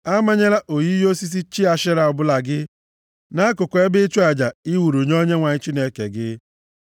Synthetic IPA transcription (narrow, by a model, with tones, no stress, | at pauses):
a˦ma˦ɲe˦ɾa˦ʔo˨ji˦jo˦si˦s̬i˦t͡ʃi˦a˨ʃɪ˦ɾa˨ɔ˨bʊ˦la˨ɡɪ˦ | na˦kʊ˨ke˦bɪ˦t͡ʃu˦a˨d͡ʒa˨i˦wu˨ɾu˨ɲ˦o˦ɲe˦ŋʷa˨ɲɪ˦t͡ʃi˦ne˨˦ke˨ɡɪ˦